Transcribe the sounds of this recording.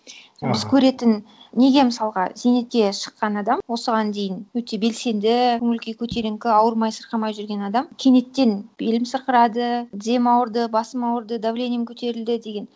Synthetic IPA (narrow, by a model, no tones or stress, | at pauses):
bɪzkʲʰɵɾe̞t̪ɪnne̞ɡʲe̞məsɑlˠʁɑze̞ne̞t̪̚kʲe̞ʃə̥qːɑnɑd̪ɑmwo̞səʁɑnd̪e̞jɪnwɵt̪e̞be̞lse̞nd̪ɪmʏlʲkʲijkʲʰɵt̪e̞ɾɪŋkʲɪɑwəɾmɑjsəɾqɑmɑjʒʏɾɡʲe̞nɑd̪ɑmkʲʰe̞ne̞t̪ːe̞nb̥e̞lɪmsəɾqəɾɑd̪əd̪ʲe̞mɑwəɾd̪əbɑsəmɑwəɾd̪əd̪avlʲenʲijəmkʲʰɵt̪e̞ɾɪld̪ɪd̪e̞ɡʲe̞n